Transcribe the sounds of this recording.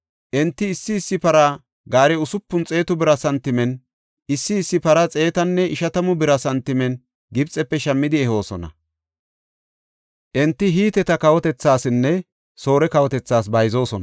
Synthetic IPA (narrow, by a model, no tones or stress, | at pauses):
ʔɛnt̪ːɪːsːɪːsːɪpɐɾa | ɡaːɾɛʊsʊpːʊnt͡sʼe̞ːt̪ʊbɪɾɐsɐnt̪ɪmɛn | ɪsːɪːsːɪpɐɾɐt͡sʼe̞ːt̪ɐnːɛʔɪʃɐt̪ɐmʊbɪɾɐsɐnt̪ɪmɛn | ɡɪbt͡sʼːɛpːɛʃɐmːɪd̪ɪɛho̞ːsɔnɐ̰ | ʔɛnt̪ːɪɦiːt̪ɛt̪ɐkɐwɔt̪ɛt͡sːaːsɪnːɛ | so̞ːɾɛkɐwɔt̪ɛt͡sːaːsbɐjzo̞ːsɔnɐ̰